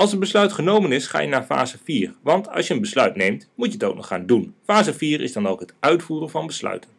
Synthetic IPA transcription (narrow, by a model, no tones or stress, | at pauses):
ɑlˠsənbəslœɥtχənowmənɪsχa̰ːjənaːɹfa̰ːzəviːrʋɑntʰɑ̰lˠsjəənbəslœɥtnejmtmutjəətowk̚nɔ̰χaːndunfaːzəviːrɪ̰zdɑnowkɦətœɥtfuːrənvɑnbəslœ̰ɥtən